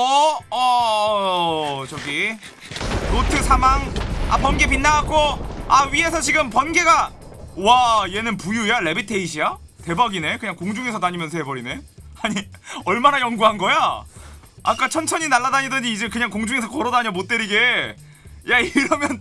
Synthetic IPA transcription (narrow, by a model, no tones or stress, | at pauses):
ʌʌ | t͡ɕʌɡi | ɾotʰɯsʰamaŋa̰pʌnɡe̞p̬inːaakʰoaɥie̞sʰʌt͡ɕiɡɯmpʌnɡe̞ɡa | waije̞nɯnpujujaɭe̞bitʰe̞iɕʰia | te̞baɡine̞kɯɲaŋkoŋd͡ʑuŋesʰʌtaɲimjʌnsʰoɦebʌɾine̞aɲiʌɭmanajʌŋɡuɦanɡʌja | a̰k͈at͡ɕʰʌnt͡ɕʰʌɲinaɭːadaɲidʌɲiːd͡ʑe̞kɯɲaŋkoŋd͡ʑuŋe̞sʰʌkʌɾʌdaɲʌmot͈̚eɾiɡe̞ | jaiɾʌmjʌn